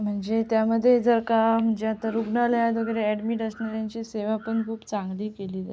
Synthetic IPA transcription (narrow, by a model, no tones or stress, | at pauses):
m̤əɳd͡zet̪jaməd̪ʱːjed͡zəɾkam̤əɳd͡zeat̪aɾuɡnaljad̪oɡeɾeɛɖmiːʈəsnaɾjaɲt͡ɕiːseʋapəɳkʰuːbt͡sãŋɡliːkeliːd̪a